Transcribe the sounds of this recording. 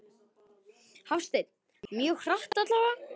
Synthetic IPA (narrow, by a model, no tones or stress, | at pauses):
hawfst̪ejt̪n | mjœːxraht̪at̪laːwva